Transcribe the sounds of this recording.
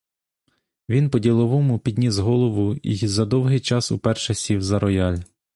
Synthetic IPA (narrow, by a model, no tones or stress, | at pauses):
ʋʲinpɔdʲilˠɔʋɔmʊpʲid̪ʲnʲizɦɔlˠɔʋʊḭzɐd̪ɔwɦɪjt͡ʃɑsṵpɛrʃɐsʲiwzɐɾɔjɑlʲ